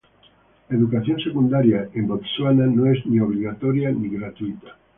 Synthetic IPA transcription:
eðukaθjonsekund̪aɾjaembok̪swananoeznioβ̞ɾiɣat̪oɾjaniɣɾat̪uit̪ḁ

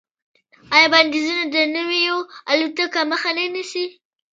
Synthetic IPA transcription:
ɑjɑband̪izunad̪ənəwijoalut̪əkaməxananisi

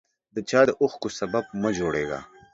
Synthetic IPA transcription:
d̪ət͡ʃaːd̪əʔʊxkosɐbɐb̚məd͡ʒoːɽḛːɡa̰

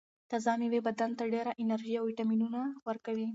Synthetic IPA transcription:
t̪azɑmiwebad̪ant̪aɖeɾaʔɪnaɾʒiawwiʈaminunawəɾkawi

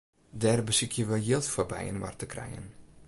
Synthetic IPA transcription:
dɛːrbəsɪkʰjəʋəjɪlˠtfɔbɛ̰jə̰nʋa̰rtəkrɛ̰jə̰n

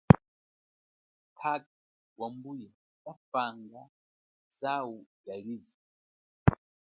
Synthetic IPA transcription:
kʰak̚ | wambuja | wafaŋɡa | zawuɡaɺizi

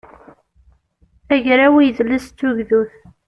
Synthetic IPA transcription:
æʝɾawijəðlːəst̪ːuʝðuθ

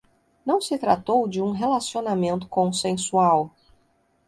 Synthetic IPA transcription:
nɐ̃w̃sɪt̪ɾa̰t̪owd͡ʒɪũɦelasionamẽnt̪ʊ̥kõsẽsuaw

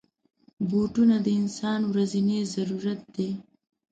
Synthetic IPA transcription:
boʈunad̪əɪnsɑnwɾazinezaɾuɾat̪̚d̪e

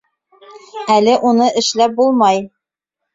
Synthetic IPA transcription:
ælɘʔunɤʔɘ̆ʃlæp̚bulˠmɑj

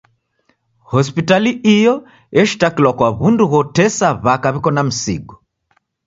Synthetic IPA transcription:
hɔspitaliʔijɔ | ɛʃi̥takilwakwaβunduɣɔtɛsaβakaβikɔnam̩sḭɡɔ

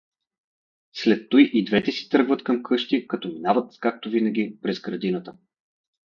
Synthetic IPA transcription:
slɛt̪ːojʔid̪vɛt̪ɛsi̥t̪ɤɾɡvət̪kɐmkʰɤʃt̪ikɐt̪ɔminavət̪kak̚t̪ovinɐɡʲipɾɛzɡɾɐd̪inət̪ə

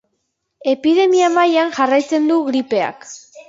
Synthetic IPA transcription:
e̞piðe̞miamajaŋʝarajt͡se̞nd̪uɣɾipe̞a̰k

